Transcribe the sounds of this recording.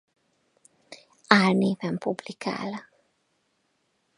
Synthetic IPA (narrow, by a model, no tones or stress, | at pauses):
aːrneːvɛmpublikʰa̰ːl